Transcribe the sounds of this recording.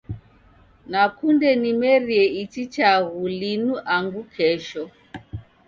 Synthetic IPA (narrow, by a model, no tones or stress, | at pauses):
nakundɛnimɛɾiɛitit͡ʃaɣulinuʔaŋɡukʰɛʃɔ